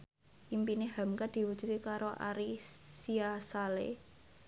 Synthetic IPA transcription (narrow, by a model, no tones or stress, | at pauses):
ʔimpineɦa̤mkad̪̥i̤wu̥t͡ʃɾikaɾoʔa̰ɾisiasalḛ